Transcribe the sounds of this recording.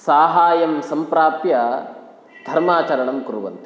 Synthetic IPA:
saːɦaːjɐmsɐmpɾaːpjɐ | d̪ʱɐɾmaːt͡ʃɐɾɐɳɐmkuɾuʋɐ̰nt̪i̥

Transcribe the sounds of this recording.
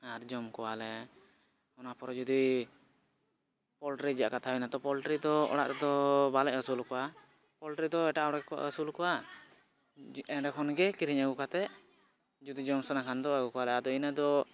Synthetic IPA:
aɾd͡ʒɔmkɔwalɛ | ɔnapɔɾɔd͡ʒud̪i | pɔlʈɾid͡ʒa̰ʔkat̪ʰainat̪ɔpɔlʈɾid̪ɔɔ̰ɽa̰ʔɾɛd̪ɔbalɛʔɦəsulkɔwa | pɔlʈɾid̪ɔɛʈaɔɽakɔa̰ʔɦəsulkɔwa | ɛɖɛkʰɔnɡɛkiɾiɲaɡukat̪ɛ | d͡ʒud̪id͡ʒɔmsanakʰand̪ɔaɡukɔwalɛad̪ɔinad̪ɔ

